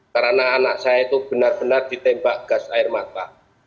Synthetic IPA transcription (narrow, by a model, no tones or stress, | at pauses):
kaɾənaːnaʔsajait̪ub̥ənarb̥ənard̪̥i̤t̪ɛmbaʔɡ̥a̤saɪrmat̪a